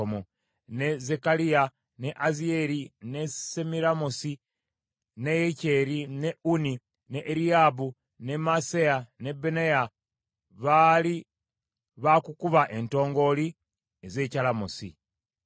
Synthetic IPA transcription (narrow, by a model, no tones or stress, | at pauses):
omo | ne̞ze̞kalija | ne̞ʔazie̞ɾine̞semiɾamosi | nejeceɾine̞uni | neʔːɾiabu | ne̞masejane̞beneja | βali | βakukuβaʔe̞nto̞ːŋɡo̞li | eze̞ːcalamosḭ